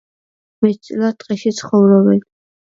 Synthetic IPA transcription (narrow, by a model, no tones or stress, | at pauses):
mɛt̪̚ʰtsʼlat̪ʼqʼɛʃit̪sʰχɔvɾɔbɛn